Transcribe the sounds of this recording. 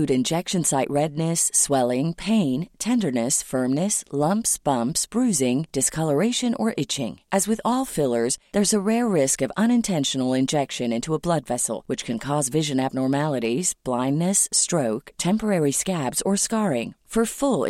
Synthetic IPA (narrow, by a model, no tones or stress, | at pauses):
ʉɾɨ̃nd͡ʒɛkʃɨ̃nsaɪʔɹɛdⁿnɨsːwɛlˠɪ̃ŋpʰẽɪ̃ntʰɛ̃ndə˞nɨsfɜ̃˞mnɨslʌ̃mpsb̥ʌ̃mpsb̥ɹʉzɪ̃ŋd̥ɨskʰʌlˠə˞eɪʃɨ̃nʔə̰˞ʔɪt͡ʃɪ̰̃ŋʔɨzwɨðɔlˠfɪlˠə˞zðə˞zəɹɛɹːɪskʌvʌ̃ñɨ̃ntʰɛ̃nʃn̩l̩ˠɪ̃nd͡ʒɛkʃɨ̃nɪ̃ntuəblʌdvɛsl̩ˠwɨt͡ʃkʰɨ̃nkʰɔzvɪʒɨ̃næb̚nɔɹmælˠəɾiz̥b̥lãɪ̃nːɨsːtɹ̥oʊktʰɛ̃mpə˞ɛɹiskæbz̥ə˞skɑɹɪ̃ŋfə˞fʊl̰ˠ